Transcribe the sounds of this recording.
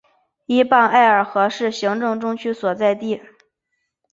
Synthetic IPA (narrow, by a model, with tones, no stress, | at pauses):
i˥pa˥˧na˥˩ɪə˞˨˩xɤ˧˥ʂɻ̩˥˩ɕi˧˥ŋʈ͡ʂɤ˥˧ŋʈ͡ʂʊ˥ŋt͡ɕʰy˥swɔ˨˩t͡sa˥˧ɪt̪i˥˩